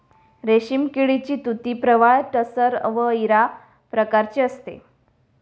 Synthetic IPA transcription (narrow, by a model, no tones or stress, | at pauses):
ɾeɕimkiɭit͡ɕiːt̪ut̪iːpɾəʋajʈəsəɾʋəiɾa | pɾəkaɾt͡ɕeəst̪ḛ